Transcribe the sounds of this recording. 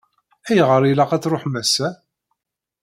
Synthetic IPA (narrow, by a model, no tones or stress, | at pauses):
æjʁəɾilɑqæt͡sːɾoħmæsæ